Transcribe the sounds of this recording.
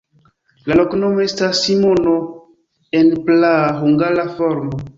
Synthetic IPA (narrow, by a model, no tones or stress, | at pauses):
laloknomoestasimono | enplaɦuŋɡalafoɾmo